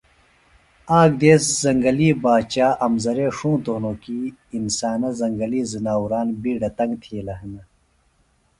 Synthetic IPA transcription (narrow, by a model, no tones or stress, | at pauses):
aːɡ̚d̪eːszɐŋɡɐliːbaːt͡ɕaːʔɐmzɐɾeːʂũːt̪oːnoːkiːnsaːnɐzɐŋɡɐliːzinaːwuɾaːnbiːɖɐt̪ɐŋɡt̪ʰiːlɐɦɐnɐ